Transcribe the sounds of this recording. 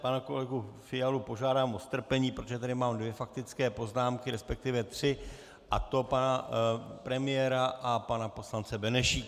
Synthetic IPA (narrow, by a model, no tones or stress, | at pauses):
panako̞lɛɡufɪjalupo̞ʒaːdaːmʔost̪r̩pɛɲiːpɾot̪oʒɛt̪̬adɪmaːmdvjɛfak̚t̪ɪt͡skɛːpo̞znaːmkɪɾɛspɛk̚t̪ɪvjɛt̪r̝̥ɪ | ʔat̪o̞panapɾɛmɪjɛːɾaʔapanapo̞slant͡sɛbɛnɛʃiː